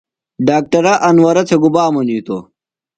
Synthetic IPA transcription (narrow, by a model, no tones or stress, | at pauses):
ɖaːk̚ʈɐɾɐʔɐnwɐɾɐt͡sʰeɡubaːmɐniːt̪o̰